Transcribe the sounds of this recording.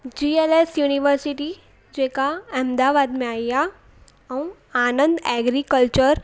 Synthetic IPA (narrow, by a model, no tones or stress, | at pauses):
d͡ʒiːelesjuːniʋəɾsɪʈi | d͡ʒeːkaɐmd̪aːʋaːd̪mẽaːija | ɐũ | aːnə̃nd̪ɛːɡɾikəlt͡ʃəɾ